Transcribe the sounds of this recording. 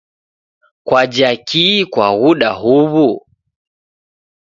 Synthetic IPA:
kwad͡ʒakikwaɣuɗaɦuβu

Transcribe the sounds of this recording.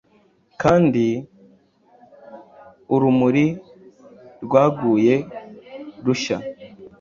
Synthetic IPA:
kaːndi | uɾumuɾi | ɾɡwaːɡuːje̞ | ɾuʃa̰

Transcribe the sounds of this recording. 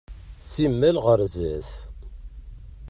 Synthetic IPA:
simːælʁəɾzəθ

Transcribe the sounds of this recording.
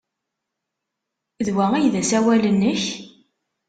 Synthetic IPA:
ðwæijðæsæwælənːəç

